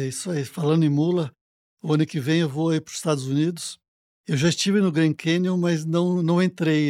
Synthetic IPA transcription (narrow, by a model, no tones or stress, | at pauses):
isaifalɐ̃nd̪ẽmulɐ | ʊɐ̃nʊkɪvẽj̃ewvoaipɾʊz̥ɪ̥st̪ad̪ʊzunid̪ʊs | ewʒaɪst͡ʃivɪnʊɡɾẽnkʰẽnjõmɐznɐ̃w̃nɐ̃w̃ẽnt̪ɾej